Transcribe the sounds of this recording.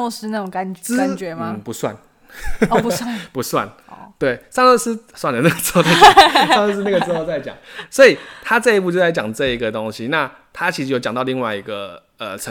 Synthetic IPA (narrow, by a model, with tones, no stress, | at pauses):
ʂɻ̩˥na˥˧˩o˧˦ŋka˦n˥a˨t͡ɕɥɛ˨˧˦ma˧˩pu˨˦˥swa̰˥˩n˩ | u˧˥a˥˨pu˨˦˥swa̰˥˩n˩ | t̪we˥˩ɪsɑ˥˧ŋɤ˥˧ʂɻ̩˥˧swa˥˩nd̪ə˩na˥˩ɡə˩t͡swt̪e˥˧˩sŋ˥˧ʂ̬ɻ̩˥˧na˥˩ɡə˩ʂɻ̩˧˥xo˧t͡sa˥˩ɪt͡ɕjɑ̰˨˩˦ŋswɔ˧˥i˨˩t̪ʰa˦t͡sə˥˧i˧˥p̬u˥˧t͡ɕjo˥˧t͡sa˥˩t͡ɕjɑ̰˨˩ŋt͡sɤ˥˩i˧ɡə˨t̪o˥˦ŋɕi˦na˥˨ | t̪ʰa˦t͡ɕʰi˧˥ʂɻ̩˧˥jo˧˩t͡ɕɑ˨˩ŋt̪ɑ˥˧ʊli˥˧ŋwa˥ɪi˧ɡə̰˧˩ | ə̰˨˩t͡sʰə˧˦